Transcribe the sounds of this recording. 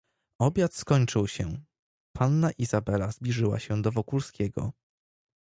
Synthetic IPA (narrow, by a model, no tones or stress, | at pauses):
ɔbʲjat̪skɔɲt͡ʂɘwɕɛ | pʰanːaʔiz̥abɛlazblʲiʐɘwa̰ɕɛd̪ɔvɔkulskʲɛɡɔ̰